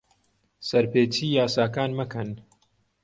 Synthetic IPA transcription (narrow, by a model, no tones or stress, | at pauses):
sɐɾpeːt͡ʃiːjaːsaːkaːnmɐkʰɐn